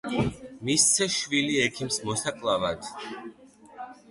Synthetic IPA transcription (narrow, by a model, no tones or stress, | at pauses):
mist̪sʰɛʃviliɛkʰimsmɔsakʼlˠavad̪̥